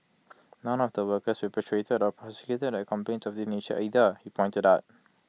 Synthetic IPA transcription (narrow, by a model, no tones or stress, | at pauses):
nɔ̃nɔfdəwəkəsɹipətʰɹetədɔpʰɹɔsə̥kjutədɛkʰɔ̃mpẽnsɔfdinet͡ʃəʔidəhipʰɔ̃jntədaʊt̚